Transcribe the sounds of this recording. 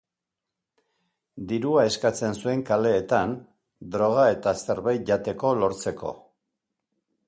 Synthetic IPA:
d̪iɾuae̞skat͡se̞nsue̞ŋkale̞ːt̪an | d̪ɾo̞ɣ̞ae̞t̪aseɾβejʝat̪e̞ko̞lo̞ɾt͡se̞ko̞̰

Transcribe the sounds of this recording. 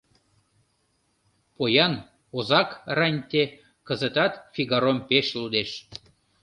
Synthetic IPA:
pojɑn | ozɑkrɑnʲt̪e | kəzət̪ɑt̪fiɣɑɾompeʃlud̪eʃ

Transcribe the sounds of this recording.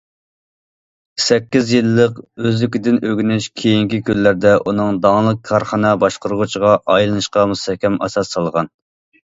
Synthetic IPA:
sɛkʲːizjilːəqøzlykʲid̪ɪnøɡʲnɪʃkʲʰejiŋkʲikʲʰylːæɾd̪ɛʔunɨŋd̪ɑŋlˠəq̚kʰɑɾχɑnɑbɑʃqəɾəʁut͡ʃʰiʁɑʔɑjlˠɨnɨʃqɑmust̪ɛhkʲɛmɑ̰sɑsːɑlˠʁɑn

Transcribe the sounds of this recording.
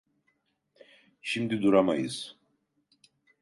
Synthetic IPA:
ʃimd̪id̪uɾama̰jɯz̥

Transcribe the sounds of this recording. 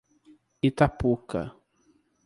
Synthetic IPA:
it̪apuka̰

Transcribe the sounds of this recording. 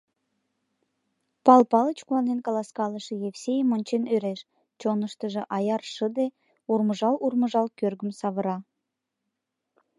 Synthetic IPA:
pɑlpɑlət͡ɕkuɑnenkɑlɑskɑləʃĕjefsʲejəmonʲt͡ɕenøɾeʃ | t͡ɕonəʃt̪əʒĕʔɑjɑrʃəd̪e | urməʒɑlurmə̆ʒɑlkørɣəmsɑβə̆ɾɑ

